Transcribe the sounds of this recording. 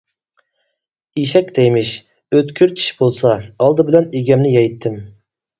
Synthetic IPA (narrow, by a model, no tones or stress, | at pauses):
iʃɛkʲt̪ejmɪʃ | øt̪kʲʰyɾt͡ʃʰi̥ʃbolˠsɑːlˠd̪ɨbɪlɛneɡʲɛmnɪjɑjt̪ʰːɪm